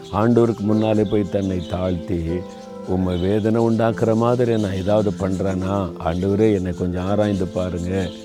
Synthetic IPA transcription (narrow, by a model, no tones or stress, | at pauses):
aːɳɖɐʋɐɾɯkːɯmʊnːaːlɛpːoːjt̪ɐnːɐɪt̪aːɭt̪i | ʊmːɐʋeːðɐnɐʊɳɖaːkɪɾɐmaːðɪɾiɛnːɐ̃ːɛðaːʋɐðɯpɐɳːɾẽːnaːa̰ːɳɖɐʋɐɾeːɛnːɐkːɔɲd͡ʒɔ̃aːɾaːjnd̪ɯpaːɾɯŋɡɐ